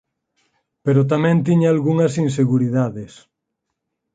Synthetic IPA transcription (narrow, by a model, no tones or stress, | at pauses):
peɾot̪amɛ̃nt̪iɲaalɣuŋɐsinseɣuɾiðaðɪs